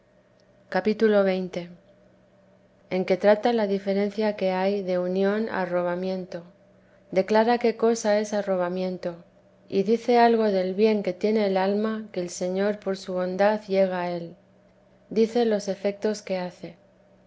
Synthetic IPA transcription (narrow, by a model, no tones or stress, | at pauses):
kapit̪ulo̞β̞e̞jnt̪e̞ | e̞ŋke̞t̪ɾat̪alaðife̞ɾe̞nθjake̞ajðe̞unjo̞na̰ro̞β̞amjẽ̞nt̪o̞ | d̪e̞klaɾake̞ko̞sae̞saro̞βamjẽ̞nt̪o̞ | iðiθe̞alɣ̞o̞ðe̞lβje̞ŋke̞t̪je̞ne̞ːlalmake̞ːlse̞ɲo̞ɾpo̞ɾsuβ̞o̞nd̪aðʝe̞ɣ̞ae̞l | d̪iθe̞lo̞se̞fe̞k̚t̪o̞ske̞aθe̞